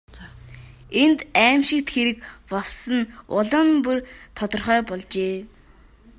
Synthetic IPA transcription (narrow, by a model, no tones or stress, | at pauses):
ent̪æːmʃɪ̆k̚t̪xeɾɘ̆kpɔɮsə̆nʊɮɞ̆mpurt̪ʰɔt̪ɞ̆rχœːpɔɮt͡ɕeː